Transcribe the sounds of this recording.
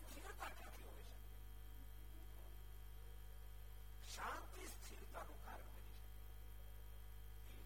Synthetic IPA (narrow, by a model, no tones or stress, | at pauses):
t̪ʰiɾt̪akãt̪ʰiɦojʃəke | ʃãnt̪ist̪ʰiɾt̪anõka̰ɾəɳkəɾiʃək